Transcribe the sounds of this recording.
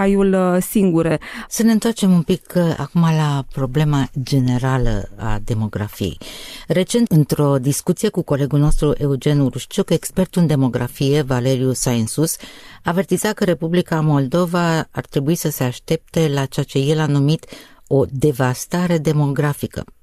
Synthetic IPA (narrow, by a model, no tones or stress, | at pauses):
ajulsiŋɡuɾesəneɨnt̪oart͡ʃe̞mumpika̰kumalapɾo̞ble̞mad͡ʒe̞ne̞ɾalə̰a̰d̪e̞mo̞ɡɾa̰fije̞̰jre̞t͡ʃe̞nt̪ɨnt̪ɾo̞d̪iskut̪sije̞kuko̞le̞ɡulno̞st̪ɾuʔe̞ud͡ʒe̞nuɾuʃt͡ʃuke̞kspe̞rt̪uɨnd̪e̞mo̞ɡɾa̰fije̞vale̞ɾiusainsusaːve̞rt̪izakəɾe̞publikamo̞ld̪o̞vaːrt̪ɾe̞buisəse̞aʃt̪e̞p̚t̪e̞lat͡ʃeat͡ʃe̞je̞lanumit̪ | o̞d̪e̞vast̪aɾe̞d̪e̞mo̞ɡɾafikə̰